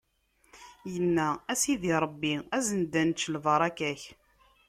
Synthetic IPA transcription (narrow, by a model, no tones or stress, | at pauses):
jənːææsiðiɾˤəbːiæzənd̪ænt͡ʃːlvɑɾˤɑkæç